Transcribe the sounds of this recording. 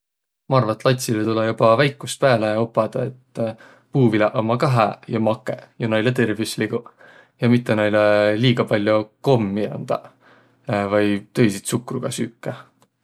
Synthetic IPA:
mɑɑrvɑt̪ːˑlɑt̪ʲsilet̪ulejub̥ɑvæjkːˑust̪pæːleopːˑɑd̪̥ɑe̞t̪ː | puːvilɑʔomɑkɑɦejɑmɑkːˑḛjɑnɑjlet̪e̞rvisliɡu | jɑmit̪ːˑenɑjleliːɡ̥ɑpɑlʲjoko̞mːiɑ̰nd̪̥ɑ̰ | vɑjt̪ɤ̞jsit̪sukruɡ̥ɑsykːˑe

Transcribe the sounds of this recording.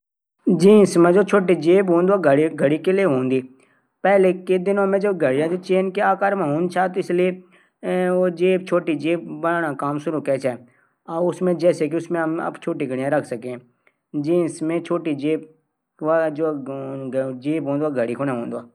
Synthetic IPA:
d͡ʒĩːsmẽd͡ʒoːt͡ʃʰoːʈ̬id͡ʒeːbɦõːnd̪aɡəɽiɡʱəɽikelieɦõːnd̪iː | pɛːleked̪ɪnõmẽd͡ʒɐbɡʱəɽɪjãd͡ʒot͡ʃeːnkeaːkaːɾmãɦõːnt͡ʃʰaːt̪oɪslie | od͡ʒeːbt͡ʃʰoːʈid͡ʒeːbbəɽaːnakaːmsʊɾukɛːt͡ʃʰɛ | aːʊsmẽd͡ʒɛːsekiʊsmẽɦəmɐ̰bt͡ʃʰoːʈiɡʱəɽɪjãɾɐkʰsəkẽɛ̃ | d͡ʒĩːsmẽt͡ʃʰoːʈid͡ʒeːb̚ | ad͡ʒoː | d͡ʒeːbɦõːnd̪ʋaːɡʱəɽikʰoːnɛ̃ɦõːnd̪aː

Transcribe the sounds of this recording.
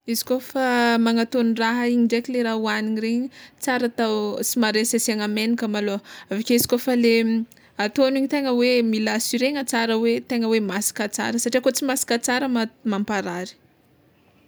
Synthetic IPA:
izi̥kofamaŋat̪oniraɦaiɲiɳɖ͡ʐekʲileɾaɦuaniɲireɲit͡saɾat̪awt͡simaɾesasiaŋamenikəmaloavakʲeizi̥kofale | at̪oniɲit̪eŋəwemilasiɾeŋət͡saɾəwet̪eŋəwemasi̥kat͡sa̰ɾəsaʈ͡ʂiakot͡simasi̥kat͡saɾəmamampaɾaɾi̥

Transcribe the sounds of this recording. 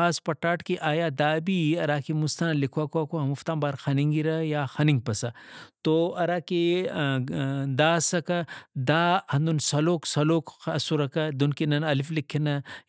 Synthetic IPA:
aːspɐʈːaːʈkiʔaːjaːd̪aːbiɐɾaːkimust̪ɐnɐlikʰwaːkaːkoɦɐmuft̪aːmbaːɾxɐniŋɡiɾɐjaːxɐniŋɡ̚pɐsɐt̪oɐɾaːke | d̪aːsɐkɐd̪aːhɐnd̪unsɐloːksɐloːkɐsuɾɐkɐd̪unkinɐnɐliflikʰːinɐ

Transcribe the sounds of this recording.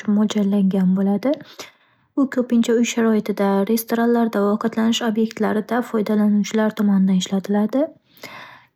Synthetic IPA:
ʊmɒd͡ʒallːaŋɡʲanbolad̪ɪ | ʊkʲʰɵpɪnt͡ʃʰaʊjʃaɾɒɪt̪ʰɪd̪aɾe̞st̪ʰoɾanlaɾd̪avɒqɨt̪lanɪʃobje̞k̚t̪laɾɪd̪afɒjd̪alanut͡ʃʰɪlaɾt̪ʰɒmɒnɪd̪anɪʃlat̪ʰɪlad̪ɪ

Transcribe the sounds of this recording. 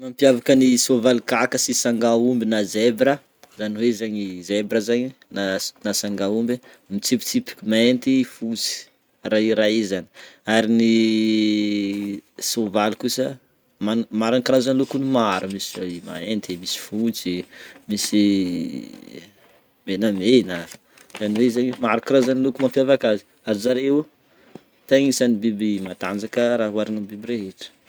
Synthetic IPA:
mampjavakənisovalikakəsisaŋɡaumbinazebɾə | zaniwezaɲizebɾəzaɲinanasaŋɡaumb | mit͡sipi̥t͡sipi̥kmaent̪ifut͡si̥ | raiɾaizani̥aɾini | sovalikusə | manmaɾanikiɾazanilukunimaɾumisiaima̰ent̪emisi̥fut͡simisi | menəmenə | zaniweizaɲmaɾukiɾazanilukumafjavakazi̥ | azzaɾew | t̪aŋisanibibimat̪and͡zakəɾaɦuaɾanabibiɾeɦetu̥

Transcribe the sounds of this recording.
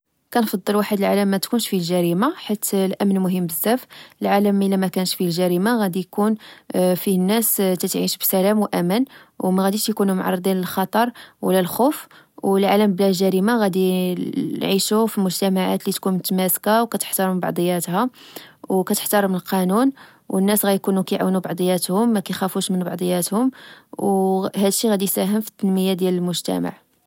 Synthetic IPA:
kænfɑd̪ˤːəlwaħəd̪əlʕaləmːæt̪kunʃfilʒæɾimaħit̪lʔæmnmʊɦəmbəzːæfəlʕaləmʔəlæmækænʃfilʒæɾimaɣæd̪ijkunfihənːæst̪æt̪ʕiʃbsælæmwʔæmənwmæɣæd̪iʃjkunumʕɑ̰rˤːd̪ˤinəlxɑt̪ˤɑɾˤwlːælxuf | wəlʕaləmblæʒæɾimaɣæd̪i | nʕiʃufilmʊʒt̪æmaʕa̰t̪lit̪kunmʊt̪mæskawkæt̪ə̥ħt̪ɑɾməbɑ̰ʕd̪ˤəjːæt̪hæwkæt̪əħt̪ɑɾˤmnəlqɑnun | wənːæsɣæjkunukæjʕa̰wnubɑʕd̪ˤəjːæt̪hʊmːækæjxæfuʃmənbɑʕd̪ˤəjːæt̪hʊmwhæd̪əʃːiɣæd̪isæɦəmfi̥t̪ːənməjːad̪jæləlmʊʒt̪æ̰ma̰ʕ

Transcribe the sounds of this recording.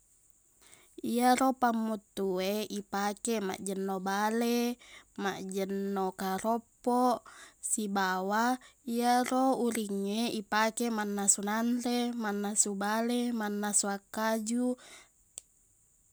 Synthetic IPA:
iaɾopamːut̪ːueipakema̰ʔd͡ʒənːobalemaʔd͡ʒənːokaɾopːosibawaiarouɾiŋːeipakemanːasunanɾemanːasubalemanːasuakːad͡ʒu

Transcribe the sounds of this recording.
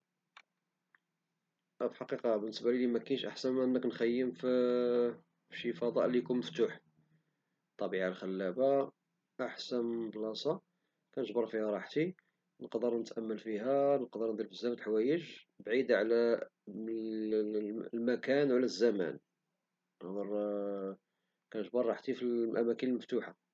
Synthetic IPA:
fħɑqiqɑbənːəsbælilimækænʃʔa̰ħsænæʔənːəknxæjːəmf | fʃifɑd̪ˤɑ̰ʔlijkunməft̪uħ | t̪ˤːɑbiʕalxælːæba | ʔaħsænblɑsˤɑ | kænəʒbəɾˤfihæɾˤɑħt̪i | nəqd̪əɾnət̪ʔæmːəlfihænəqd̪əɾnd̪iɾfəzːæmæt̪lħwæjəʒ | bʕid̪ʕlæ | lmækænwlæzːæmæ̰n | nəd̪əɾˤ | kænəʒbɑrˤːɑħt̪ifilʔæmækənəlməft̪uħa

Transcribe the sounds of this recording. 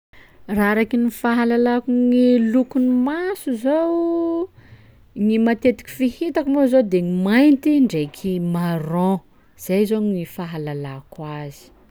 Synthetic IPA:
raɾakinifaɦalalakuŋilukunimasuzow | ŋimat̪et̪i̥kʲi̥fihit̪akumozod̪eŋimajnt̪iɳɖ͡ʐejkʰimarɔ̃ | z̥azoŋifaɦalalakwazi̥

